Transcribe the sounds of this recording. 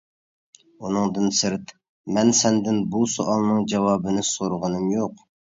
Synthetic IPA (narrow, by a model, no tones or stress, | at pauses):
unɨŋd̪ɨnsɨɾt̪ | mɛnsɛnd̪ɪnbusoʔɑlˠnɨŋd͡ʒɛwɑːbɨnɨsoɾʊʁənɨmjoq